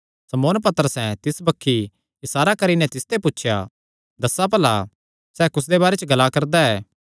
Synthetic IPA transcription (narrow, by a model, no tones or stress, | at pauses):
sɐmoːnpɐt̪əɾəsɛ̃t̪ɪsbɐkʰːi | ɪsaːɾakɐɾinɛ̃t̪ɪst̪ʰepʊtːʃʰja̰ | d̪ɐsap̬ɐla̰ | sɛːkʊs̬d̪ebaːɾet͡ʃɡɐlakɐɾd̪aɛː